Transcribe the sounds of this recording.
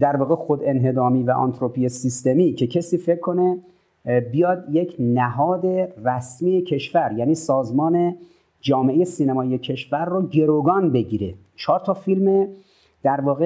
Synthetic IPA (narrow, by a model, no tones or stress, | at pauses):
d̪æɾvɒːɣexod̪e̞nɦe̞d̪ɒːmiːvæʔɒ̰nt̪ʰɾopʰijesist̪emiːcʰe̞cʰesiːfe̞kʰːo̞ne̞ | bijɒːd̪jecʰnæɦɒːd̪e̞ræsmiːecʰe̞ʃvæɾjæːniːsɒːzmɒːne̞ | d͡ʒɒːmeʔejesiːnæmɒːijecʰe̞ʃvæɾːoːɟe̞ɾoɡɒːnbe̞ɟiːɾḛ | t͡ʃʰɒːɾt̪ʰɒːfilme | d̪̥æɾvɒːɣe